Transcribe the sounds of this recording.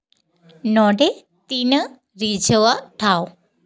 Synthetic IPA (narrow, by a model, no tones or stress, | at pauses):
nɔɖe | t̪inə | ɾid͡ʒəʋaʈʰaːw